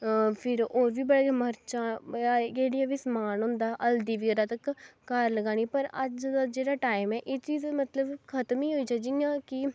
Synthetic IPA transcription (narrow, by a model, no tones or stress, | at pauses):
pʰɪɾoːɾʋiːbəɽaːməɾt͡ʃaːakeːɽijãːʋiːsəmaːnɦʊ̃ːnd̪aːʔəld̪iːʋiɡəɾaːt̪əkːəɾləɡaːɽ̃iːpəɾəd͡ʒ̪ad͡ʒeːɽaːʈaːɪmɛːʔeːt͡ʃiːzmət̪ləbkʰət̪miːɦoːiːd͡ʒaːd͡ʒɪjãːkɪ